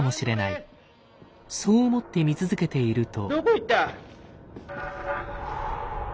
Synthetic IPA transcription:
mo̞ɕiɾe̞nai | so̞ːomo̞t̪ːe̞mʲit͡sɨzɨke̞t̪e̞iɾɯ̟t̪o̞̥okoit̪ːa

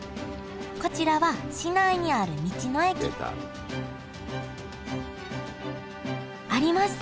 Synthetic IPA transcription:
ko̞t͡ɕiɾaβaɕinaiɲ̟iaɾɯ̟mʲit͡ɕino̞ekʲiɡo̰ | aɾʲimaɕ

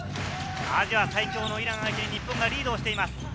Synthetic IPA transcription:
a̰d͡ʑiβasaikʲoːnoiɾaŋajt̪e̞ɲʲipːɯŋɡaɾʲiːd̪oːɕit̪e̞imasɨ̥

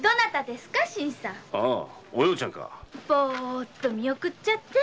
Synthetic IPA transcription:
d̪onat̪ad̪e̞sɨ̥kaɕĩɰ̃sãaojot͡ɕʰaŋka̰bot̪ːomʲiokɯ̟t͡ɕt͡ɕat̪ːe

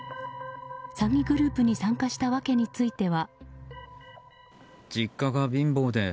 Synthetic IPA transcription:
saŋʲiɡɯ̟ɾɯ̟ːpɯ̟ɲ̟isãŋkaɕi̥t̪aβake̞ɲ̟it͡sɨit̪e̞βa | d͡ʑikːaɡabʲĩmbo̞ːd̪e̞

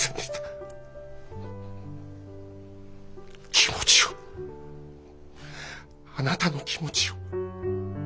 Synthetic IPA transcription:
end̪et̪a | kʲʰimot͡ɕi̥jo | anat̪anokʲimot͡ɕijo

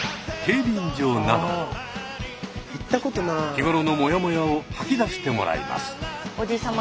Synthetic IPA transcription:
he̞ːbʲiɲd͡ʑo̞ːnao | it̪ːakot̪onakʲiɡo̞ɾono̞mo̞jamo̞jaohakʲid̪aɕi̥t̪e̞mo̞ɾʔa̰ḭmʔa̰sɨ̥od͡ʑisãm

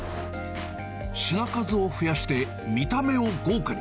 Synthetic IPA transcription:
ɕinakazɨo̞ɸɯ̟jaɕi̥t̪e̞ | mʲit̪ame̞o̞ɡoːkɯɾ

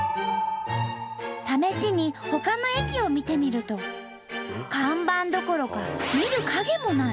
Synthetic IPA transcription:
t̪ame̞ɕiɲ̟iho̞kano̞ekʲio̞mʲit̪e̞mʲiɾɯ̟t̪o̞ | kãmbãnd̪o̞ko̞ɾo̞kamʲiɾɯ̟kʰaɡe̞mo̞na

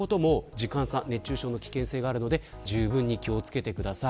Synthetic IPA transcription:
o̞t̪o̞mo̞d͡ʑikãɰ̃sãnne̞t͡ɕːɨːɕo̞ːno̞kʲi̥kẽ̞ɰ̃se̞ːɡaːɾɯ̟no̞d̪e̞ | d͡ʑɨːbɯ̟̃ɲ̟ːikʲio̞t͡sɨ̥ke̞t̪e̞kɯ̟d̪asa

